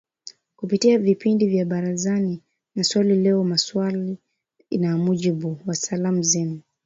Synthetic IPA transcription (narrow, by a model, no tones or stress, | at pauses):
kupitiavipindivjaɓaɾazani | naswalilɛɔmaswali | inamuʄiɓuwasalamuzɛmu